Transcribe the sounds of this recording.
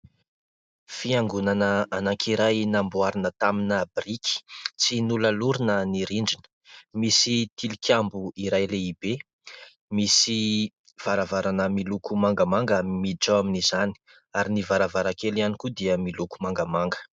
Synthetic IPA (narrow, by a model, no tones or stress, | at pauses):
fiaŋɡunanəanakʰiɾajnambuaɾinət̪aminabriki̥t͡sinuləluɾinəniɾiɳd͡ʒinə̥ | misit̪ilikʰʲambuiɾajleib̥e | misi | v̥aɾavaɾanəmilukumaŋɡəmaŋɡamimid͡ʒaaminizani̥ | aɾinivaɾavaɾakelianikud̪iəmiluku̥maŋɡamaŋɡə̥